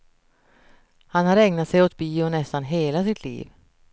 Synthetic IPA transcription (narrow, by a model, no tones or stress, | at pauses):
hanhaɾɛŋnat̪sɛjɔt̪̚biːɔnɛst̪anɦeːlasɪt̪ʰlḭːv